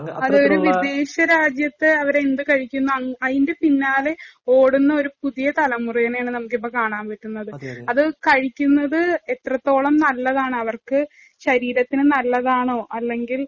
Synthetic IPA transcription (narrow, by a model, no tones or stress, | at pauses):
ɐðɨoɾuʋid̪e̞ːɕɐɾaːd͡ʑjɐt̪ːɨɐʋɐɾend̪ɨkɐɻikʲːunːuɐɐðinde̞pinːaːle̞o̞ːɽunːɐo̞ɾupuðijɐt̪ɐlɐmuriɣɐnɐjaːɳɨnɐmuk̬ːipːoːkaːɳaːmpɐtːunːɐðɨɐðɨkɐɻikʲːunːɐðɨet̪rɐt̪ːo̞ːɭɐmnɐlːɐðaːɳɨɐʋɐrkɨ | ɕɐɾiːɾɐt̪ːinɨnɐlːɐðaːɳo̞ːʔɐlːe̞ŋɡil